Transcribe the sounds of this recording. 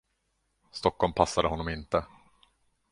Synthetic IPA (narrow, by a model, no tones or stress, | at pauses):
st̪ɔkːɔlmpʰasːad̪əɦɔnːɔmɪnt̪ə